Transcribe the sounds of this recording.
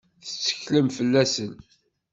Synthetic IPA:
θə̥t͡sːə̥çləmfəlːæsən

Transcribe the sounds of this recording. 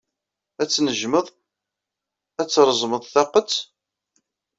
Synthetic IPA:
æt͡sːnəʒməðˤ | æt͡sːɾˤzˤməðˤθɑqət͡sː

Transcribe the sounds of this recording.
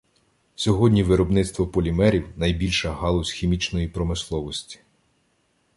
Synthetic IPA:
sʲɔɦɔdʲnʲiʋɪɾɔbnɪt̪st̪ʋɔpɔlʲimɛɾʲiwnɐjbʲilʲʃɐɦɑlˠɔsʲxʲimʲit͡ʃnɔjipɾɔmɪslˠɔʋɔsʲtʲi̥

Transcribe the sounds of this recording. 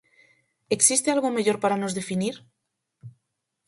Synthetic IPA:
e̞ksist̪ealɣo̞meʎo̞ɾpaɾano̞zðe̞finiɾ

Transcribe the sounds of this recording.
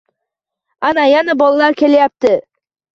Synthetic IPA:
anajanabɒlˠalaɾkʲʰe̞lajap̚t̪ɪ

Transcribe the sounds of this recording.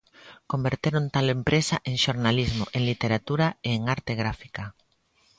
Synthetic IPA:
kombeɾt̪eɾont̪alempɾesaʔeŋʃoɾnalizmoʔeŋlit̪eɾat̪uɾaeːŋaɾt̪eɣ̞ɾafi̥ka

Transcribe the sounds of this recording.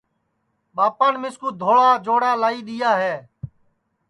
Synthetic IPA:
ɓaːpãːnmɪskuːd̪ʱoːɭaːd͡ʒoːɽaːlaːiːɗ̪ɪjaːɦɛː

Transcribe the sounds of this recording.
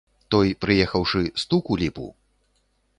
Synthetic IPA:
t̪ɔjpɾɨjɛxɐwʂɨst̪ukulʲipṵ

